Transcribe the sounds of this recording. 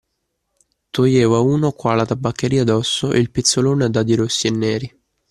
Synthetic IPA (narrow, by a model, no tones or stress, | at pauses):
t̪ojɛːvauːnokwaːlat̪abːakːeɾiːad̪ɔsːoʔilpit̪sːoloːned̪ad̪iɾosːienːɛːɾi